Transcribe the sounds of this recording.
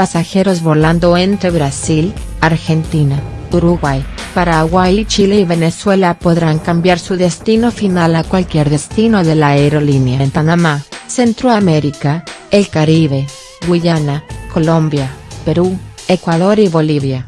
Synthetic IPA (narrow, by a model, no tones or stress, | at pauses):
pasaxe̞ɾozβoɾland̪oent̪ɾeβɾasil | aɾxe̞nt̪inauɾuɣwajpaɾaɣwajit͡ʃileiβe̞neswe̞lapoðɾaŋkambjaɾsuðest̪ino̞finalakwalkjeɾðest̪ino̞ðelaeɾolinjampanamasent̪ɾoameɾikaelkaɾiβe | ɡwiʝanakolombjapeɾuekwaðoɾiβoliβja